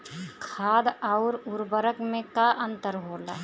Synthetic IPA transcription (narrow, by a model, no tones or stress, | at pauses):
kʰaːd̪aʊɾʊɾbəɾəkmẽkaʔə̃nt̪əɾɦoːla̰ː